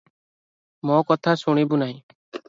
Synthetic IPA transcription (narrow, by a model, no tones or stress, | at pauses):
mɔ̃ːkɔt̪ʰaːsʊɳ̃iːbunaːɦĩː